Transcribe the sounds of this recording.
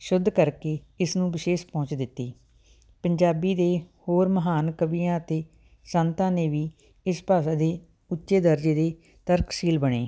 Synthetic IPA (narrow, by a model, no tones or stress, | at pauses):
ʃʊd̪ʱːkəɾkeː | ɪsnũːbɪʃeːʃpɔ̃ːt͡ʃd̪ɪt̪ːiː | pəɲd͡ʒaːbiːd̪eːhoːɾməɦaːnkəbijãːət̪eː | sənt̪ãːneːʋiː | ɪspaːsaːd̪eː | ʊtːʃeːd̪əɾd͡ʒeːd̪eː | t̪əɾksiːlbəɳeː